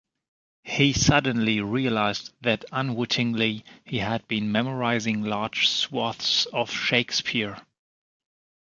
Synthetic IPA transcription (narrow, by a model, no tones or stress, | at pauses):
hisʌdⁿn̩liɹiɨlaɪzðɨɾə̃nwɪɾʰɪ̃ŋlihiɨd̚bĩnmɛmə˞aɪzɪ̃ŋlɑɹd̥ʒ̥swɔθsʌv̥ʃeɪkspʰɪɹ